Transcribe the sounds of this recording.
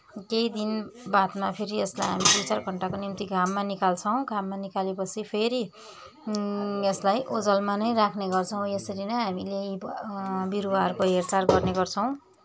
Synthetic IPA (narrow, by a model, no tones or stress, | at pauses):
kejd̪inbat̪mapʰeɾieslajɦamid̪ujt͡sarɡʱʌɳʈakonimt̪iɡʱamːanikalt͡sʰʌw̃ɡʱamːanikalepʌt͡sʰipʰeɾi | eslajʔod͡zʌlmanʌjɾakʰneɡʌrt͡sʰʌ̃w̃jesʌɾinʌjɦamile | biɾuwaɦʌrkoɦeɾt͡sarɡʌrneɡʌrt͡sʰʌ̃w̃